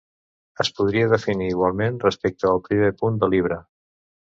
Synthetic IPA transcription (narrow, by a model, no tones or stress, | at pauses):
əspuð̞ɾiəðəfiniːɣwalˠmenrəspek̚t̪əːlˠpɾimepund̪əliβ̞ɾə